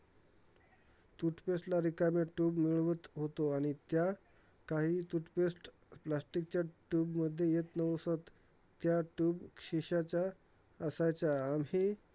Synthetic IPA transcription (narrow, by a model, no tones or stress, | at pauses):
t̪uʈpesʈlaɾikameʈuːbmiɭʋət̪ɦot̪oaɽ̃it̪ja | kaɦiːt̪uʈpesʈ | plasʈik̚t͡ɕaʈuːbməd̪ʱːjejet̪nəʋəsət̪ː | jaʈuːbkʂiɕat͡ɕja | əsat͡ɕjaːmi